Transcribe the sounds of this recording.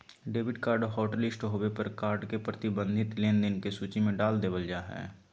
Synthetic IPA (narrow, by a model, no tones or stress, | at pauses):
ɖeːʋɪɖkaːɾɖɦoːʈəlɪsʈɦoːwepəɾkaːɾɖkepɾət̪ɪbə̃nd̪ʱɪt̪leːnd̪ɪnkesuːt͡ʃimẽɖaːld̪eːbəld͡ʒaːɦɛ̰ː